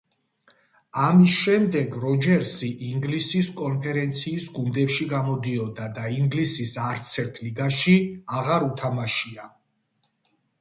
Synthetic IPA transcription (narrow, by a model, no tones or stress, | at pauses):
amisʃɛmd̪ɛɡɾɔd͡ʒɛɾsiʔiŋɡlisiskʼɔnpʰɛɾɛnt̪sʰiːsɡund̪ɛpʃiɡamɔd̪iɔd̪ad̪aiŋɡlisisaɾt̪sʰɛɾt̪ʰliɡaʃiaʁaɾut̪ʰamaʃia